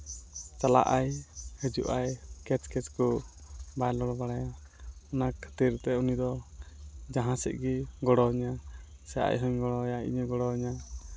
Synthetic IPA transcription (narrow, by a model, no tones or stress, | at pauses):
t͡ʃala̰ʔajhəd͡ʒuʔajkɛt͡ʃkɛt͡ʃkɔbajlɔɽbaɽaja | ɔnakʰːə̥t̪iɾt̪ɛunid̪ɔ | d͡ʒaɦãsɛ̰ʔɡiɡɔɽɔɲa | sɛa̰jɦɔɲɡɔɽɔjaḭɲəɡɔɽɔɲa